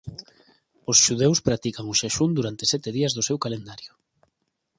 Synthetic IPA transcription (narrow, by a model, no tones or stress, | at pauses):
oʊsʃuð̞ewspɾat̪ikaŋʊʃaʃund̪uɾant̪esɛt̪eðiɐzðʊsewkalend̪aɾjʊ